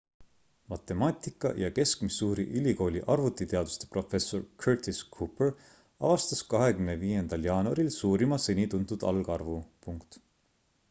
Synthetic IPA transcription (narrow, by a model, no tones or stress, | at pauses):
mɑt̪ːˑe̞mɑːt̪ʲikˑːɑ̰jɑke̞skmisːuːɾḭʔylʲiko̞ːlʲiʔɑrvut̪it̪e̞ɑd̪̥u̥st̪epro̞fe̞so̞rkʰørt̪iskʰuper | ɑ̰vɑst̪ɑskɑɦe̞kymneviːe̞nd̪̥ɑljɑːnuɑɾilsuːɾimɑsenʲit̪unt̪ud̪̥ɑ̰lɡ̥ɑrvupuŋkt̪